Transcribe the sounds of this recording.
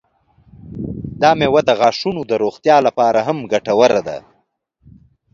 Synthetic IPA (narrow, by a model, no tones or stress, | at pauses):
d̪ɑːmewad̪əɣɑːʂunod̪əɾoːxt̪jɑːlapɑːɾaɦamɡaʈawaɾad̪a̰